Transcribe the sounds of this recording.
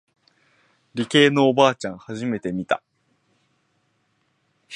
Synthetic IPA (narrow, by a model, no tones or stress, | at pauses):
ɾʲike̞ːno̞ːbaːt͡ɕãɰ̃haʑime̞t̪e̞mʲit̪a